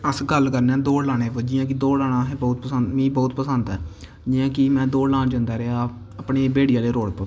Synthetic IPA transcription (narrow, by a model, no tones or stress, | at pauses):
əsɡəlkəɾnɛ̃ːd̪oːɽlaːɽeːʋəd͡ʒɪjãːk̬ɪd̪oːlaːɽaːɦɛːbɔːt̪̚pəsənt̪mĩːbɔːt̪pəsənt̪ɛː | d͡ʒiːjãːkɪmɛ̃ːd̪oːɽlaːnd͡ʒãːnd̪aːɾeaː | əpɳeːbeːɽijãːleːɾoːɽpə